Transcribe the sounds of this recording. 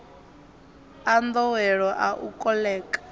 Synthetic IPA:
and̪ɔwɛɺɔʔaʔukʼɔlɛːkʼḁ

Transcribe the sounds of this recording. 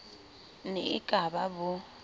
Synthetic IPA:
nḛikʼababʊ

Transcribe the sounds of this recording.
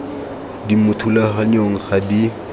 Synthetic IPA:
dimʊtʰulaχaɲoŋ̩χadi

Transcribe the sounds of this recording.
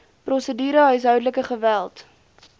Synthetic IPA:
prɔsədiːɾəɦœɥs̬ɦœɥdələkəχəvælˠt

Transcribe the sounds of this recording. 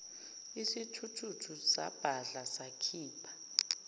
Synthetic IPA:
isitʰutʰutʰusa̰b̥ʱaɮasakʰiːpʰḁ

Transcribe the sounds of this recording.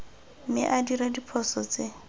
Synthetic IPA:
mɪ̰ʔadiɾadipʰɔsɔt͡sɪ

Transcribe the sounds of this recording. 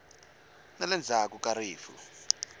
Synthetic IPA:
nalɛnd͡zʱakukaɾiːfṵ

